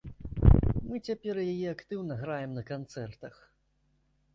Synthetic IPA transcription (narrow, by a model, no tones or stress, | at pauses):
mɨt͡sʲapʲɛrjajɛakt̪ɨwnɐɣɾajɛmnɐkant̪sɛrt̪ɐx